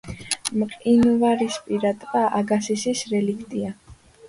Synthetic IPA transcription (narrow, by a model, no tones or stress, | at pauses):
mqʼinuvaɾispʼiɾat̪ʼvʼaʔaɡasisisɾɛlikʰt̪ʼia